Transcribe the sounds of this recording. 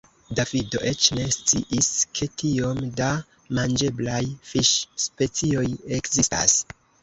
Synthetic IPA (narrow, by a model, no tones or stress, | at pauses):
davido̞̰ʔe̞t͡ʃne̞st͡siʔiskʰe̞tio̞mda | mand͡ʒe̞blajfiʃspe̞t͡sio̞je̞kzista̰s